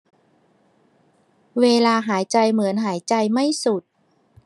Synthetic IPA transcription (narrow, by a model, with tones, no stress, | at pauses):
weː˧laː˧ɦaː˩˦jt͡ɕa˧jmɯ˩˦ənɦaː˩˦jt͡ɕa˧jma˥˩jsu˨˩t̪̚